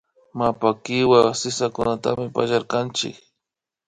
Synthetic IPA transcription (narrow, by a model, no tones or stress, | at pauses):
mapakɪwasɪsakʊnat̪a̰mɪpa̰ʒaɾkant͡ʃɪ̰k